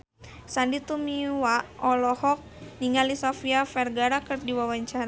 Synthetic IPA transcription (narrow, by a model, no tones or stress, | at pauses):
sandit̪umiwaʔɔlɔhɔk̚niŋalisɔfiafɛrɡaɾakərdiwawaɲt͡ʃaɾa